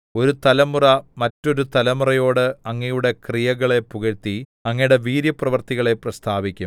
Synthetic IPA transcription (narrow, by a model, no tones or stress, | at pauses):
o̞ɾut̪ɐlɐmurɐmɐtːo̞ɾut̪ɐlɐmurɐjo̞ːɽɨɐŋːɐjuɽe̞krijɐɣɐɭe̞puɣɐɾt̪ːi | ɐŋːɐjuɽe̞ʋiːɾjɐprɐʋɐrt̪iɣɐɭe̞prɐst̪ʰaːʋikʲːum